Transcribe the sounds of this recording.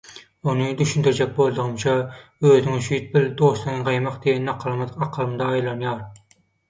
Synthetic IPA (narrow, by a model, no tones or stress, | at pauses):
unɨd̪yʃynd̪yɾd͡ʒɛk̚ʲbolˠd̪ɨʁəmt͡ʃʰɑøːzɪŋʃyjyt̪̚bɪld̪oslˠɨŋʁɑjmɑqd̪ejɛnːɑqʰːɑlˠmɨd̪qɑqʰːəlˠɨmɨd̪ɑːjlˠɑnjɑɾ